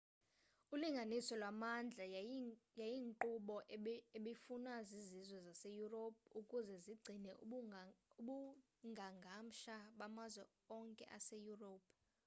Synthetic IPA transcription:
uliŋɡʱanisɔlwamand͡ɮʱajajiŋǃuɓɔʔeɓifunazizizwɛzasejurop̚ʰukʼuzɛziɡ͡ǀʱinɛ | uɓu | ŋɡʱaŋɡʱam̩ʃaɓamazwɛ | ɔŋkʼɛ̰ʔasejuropʰ

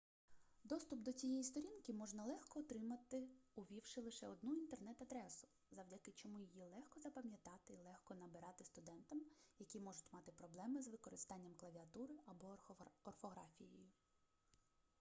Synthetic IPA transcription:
d̪ɔst̪ʊpd̪ɔt͡sʲijɛjist̪ɔɾʲinkɪmɔʒnɐlˠɛxkɔːt̪ɾɪmɐt̪ɪʊʋʲiwʃɪlˠɪʃɛɔd̪nuint̪e̞rnɛt̪ɐd̪ɾɛsʊ̥ | zɐwdʲɐkɪt͡ʃɔmujijilˠɛxkɔzɐpɐmʲjɐt̪ɑt̪ɪlˠɛxkɔnɐbɪɾɑt̪ɪst̪ʊd̪ɛnt̪ɐmjɐkʲimɔʒʊtʲmɑt̪ɪpɾɔblˠɛmɪzʋɪkɔɾɪst̪ɑnʲːɐmklˠɐʋʲiɐt̪uɾɪɐbɔɔrfɔɣɾɑ̰fʲijɛjʊ

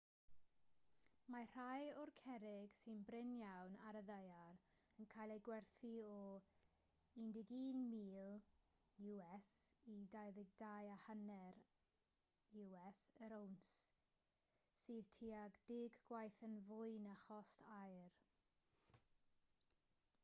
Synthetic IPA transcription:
mar̥ajɔrkʰɛɾɪɡ̥sɪnbrɪnjawnaɾəðəjaɾ | ənkʰajlˠejɡwɛrθiɔ | indɪɡiːnmiːlˠ | juɛsidajðɪɡ̚dajahanɛɾ | juɛsəɾowns | sɨːðtʰiːaɡdɪɡɡwajθənvʊjnaχɔstʰajr

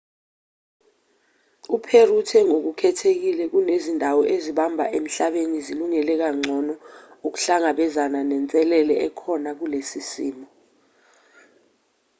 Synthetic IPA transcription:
upʰerutʰɛŋok̬ukʰɛtʰek̬ilɛk̬unezindʱawɔʔeziɓambʱa̰ʔem̩ɬaɓeniziluŋɛlɛk̬aŋ͡ǀʱɔnɔuk̬u̥ɬaŋaɓɛzananɛnt͡sʼɛlɛlɛɛkʰɔnak̬ulesisiːmɔ

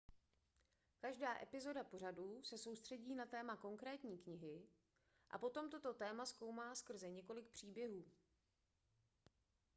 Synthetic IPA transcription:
kaʒdaːʔɛpɪzo̞dapo̞raduːsɛso̞wst̪r̥ɛɟiːnat̪ɛːmako̞ŋkɾɛːt̪ɲiːkɲɪɦɪ | ʔa̰po̞t̪o̞mt̪o̞t̪o̞t̪ɛːmasko̞wmaːskr̩zɛɲɛko̞lɪk̚pr̝̥iːbjɛɦuː

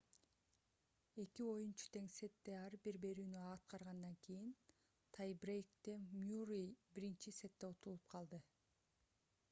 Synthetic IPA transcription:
e̞kio̞junt͡ʃu̥t̪ʰe̞ŋse̞t̪ːe̞ɑɾbiɾbe̞ɾyːnyɑːt̪̚qɑɾʁɑnd̪ɑŋkʰijin | t̪ʰajbrejkt̪emjurijbiɾint͡ʃise̞t̪ːe̞ut̪ulˠup̚qʰɑlˠd̪ɯ

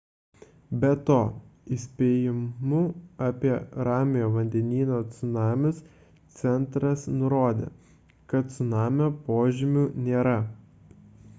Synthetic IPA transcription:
bʲɛt̪oːɪsʲpʲeːjɪmʊɑːpʲiɛɾɑːmʲɪjoːʋɐnʲd̪ʲɛnʲiːnoːt̪sʲʊnɑːmʲɪs | t̪sʲɛnˑt̪ɾɐsnʊɾoːd̪ʲḛː | kɐt̪t̪sʊnɑːmʲoːpoːʒʲɪmʲʊnʲeːɾɐ

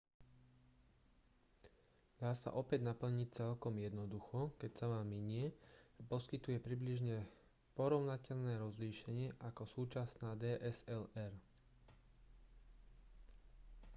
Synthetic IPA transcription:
d̪̥aːsa̰ʔɔpɛɟnapl̩ɲic̚t͡sɛlkɔmjɛd̪nɔd̪uxɔkɛcsaʋaːmːiɲɪɛpɔskit̪ujɛpɾibliʒɲɛ | pɔɾɔʊnacɛʎnɛːɾɔzliːʃɛɲɪɛʔakɔsuːt͡ʃasnaːd̪ɛːʔɛzɛlɛɾ

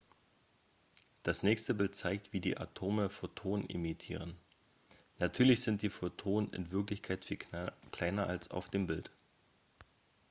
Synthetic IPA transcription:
d̥asnɛːçstəbɪlt̚t͡saɪk̚tv̥iːdḭːʔa̰tʰoːməfotʰoːnnʔɪ̰mitʰḭːʁ̞ənː | atʰyːɐlɪçz̥ɪnt̚d̥iːfotʰoːnənɪ̰nvɪɐklɪçkʰaɪtfiːkʰl̥aɪnɐʔa̰lsa̰ʊfd̥eːmbɪlt

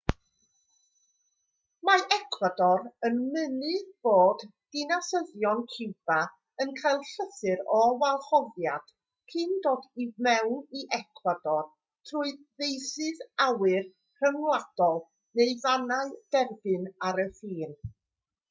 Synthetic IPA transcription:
maʔɛkʰwadɔɾənmənɨðb̥oːd̥ | ɪnasəðjɔnkʰɪwb̥a | ənkʰajlˠɬəθɨɾɔwalˠχɔvjad̥ | kʰɨːndoːdivmɛwniʔɛkʰwadɔr | tʰruɨ | ðejsɨðawɨr | kʰrəmlwad̥ɔlˠ | neɨvanaɨd̥ɛrbɨnaɾəfiːn

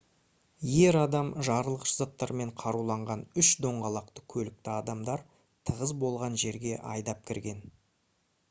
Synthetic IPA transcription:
je̞ɾɑd̪ɑmʒɑɾəlˠəqʒəzɑt̪ːɑɾme̞ɴqʰɑɾulˠɑɴʁɑnʏʃd̪o̞ɴʁɑlˠɑqt̪ə̥kʲʰɵlɪk̚t̪ɪɑd̪ɑmd̪ɑɾ | t̪ʰəʁəzbo̞lˠʁɑnʒe̞ɾɡʲe̞ʔɑ̰jd̪ɑp̚kʲʰɪɾɡʲe̞n

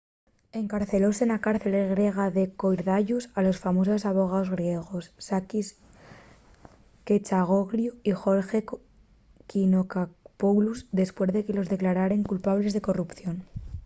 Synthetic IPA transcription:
e̞ŋkaɾθe̞lo̞senakaɾθe̞leɣɾje̞ɣ̞aðe̞ko̞jɾðaʝusalo̞sfamo̞s̬o̞saβo̞ɣ̞ao̞zɣɾje̞ɣ̞o̞sːakis | ke̞t͡ʃaɣ̞o̞ɣɾjuixo̞ɾxe̞ | kinokapoluzðe̞spwe̞ɾzðe̞ke̞lo̞zðe̞klaɾaɾe̞ŋkulpaβle̞zðe̞ko̞rupθjo̞n

